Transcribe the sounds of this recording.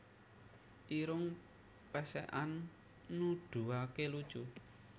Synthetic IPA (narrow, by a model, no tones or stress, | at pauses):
ʔiɾʊŋ | pɛsɛ̰ʔanː | uɖ̪̥ṳakelud̥ʒ̥u